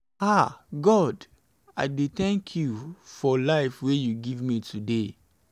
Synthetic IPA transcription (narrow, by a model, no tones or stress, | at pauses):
aɡɔd | a̰ɪdeθɛ̃ŋkʰjufɔlaɪfwejuɡivmitʰude